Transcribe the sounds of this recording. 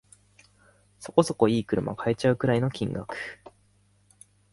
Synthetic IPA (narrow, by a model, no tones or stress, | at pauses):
so̞̥ko̞so̞ko̞iːkɯ̟ɾɯ̟mʔa̰kae̞t͡ɕaɯ̟kɯ̟ɾaino̞kʲĩŋɡa̰kɯ̥